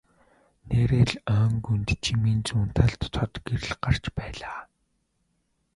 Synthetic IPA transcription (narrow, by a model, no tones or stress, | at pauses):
neːɾeːɮœːŋɡunt̪t͡ɕʰimiːnt͡suːn̥t̪ʰaɮt̪ːʰɔt̪ɡeɾɘ̆ɮɢar̥t͡ɕpæːɮaː